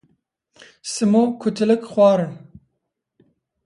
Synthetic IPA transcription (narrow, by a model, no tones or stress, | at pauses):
sɨmoːkʰʊt̪ʰɨlɪkxwɑːɾɨn